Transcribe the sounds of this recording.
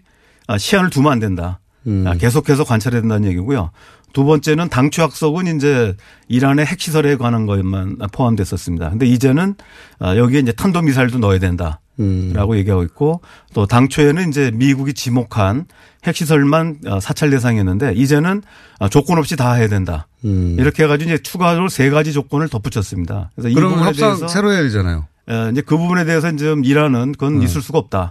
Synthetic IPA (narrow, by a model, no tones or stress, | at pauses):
ʌɕʰianɯɭtumandwe̞nda | ke̞sʰokʰes̬ʰʌkwant͡ɕʰaɾedwendanɯɲje̞ɡiɡojo̰ | tubʌnt͡ɕ͈e̞nɯntaŋt͡ɕʰojak̚s͈ʌɡɯnind͡ʑe̞ | iɾane̞ɦe̞k̚ɕ͈ʰisʰʌɾe̞ɡwananɡʌemanpʰoɦamdwe̞s͈ʌs͈ɯmɲida̰kɯnde̞id͡ʑe̞nɯnʌ̰jʌɡieind͡ʑe̞tʰandomisʰaiɭdonʌedwe̞nda | ɾaɡoje̞ɡiɦaɡoit̚k̚k͈o | t͈otaŋt͡ɕʰoenɯnind͡ʑe̞miɡuɡit͡ɕimokʰan | he̞k̚ɕ͈is̬ʰʌɭmanʌ̰sʰat͡ɕʰaɭde̞s̬ʰaŋienːɯnde̞id͡ʑe̞nɯn | ʌt͡ɕok͈ʌnɦʌp̚ɕ͈itaɦe̞jadwe̞nda̰iɾʌkʰe̞eɣad͡ʑiɡoiɲd͡ʑe̞t͡ɕʰuɡaɾose̞ɡad͡ʑid͡ʑok͈ʌnɯɭtʌp͈ʰut͡ɕʰʌs͈ɯmɲida̰kɾe̞sʰʌiɾuuaepdesaŋsʰʌsʰeɾoeadid͡ʑana̰jo̰ | ʌind͡ʑe̞kɯbubune̞de̞ɦes̬ʰʌind͡ʑemiɾanɯnkʌnisʰuɭs͈uɡaʌp̚t͈a